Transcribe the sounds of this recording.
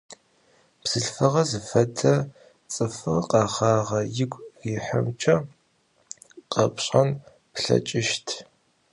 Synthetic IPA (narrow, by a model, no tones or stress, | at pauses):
b̥z̥ɨɬfɐʁɐzɨfɐdʰɐ | t͡sʼɨfɨrqʼɑːχɑːʁɐjɪɡʷʼriːħɐmt͡ʃʰʼɐ | qɐpʰɕʼɐn | pɬɐ̰t͡ʃʼɪʃtʰ